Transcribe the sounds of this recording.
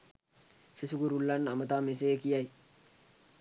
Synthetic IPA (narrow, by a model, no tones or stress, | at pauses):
sɪsʊɡʊɾʊlːanɐmɐt̪aːmɪs̬eːkɪjaj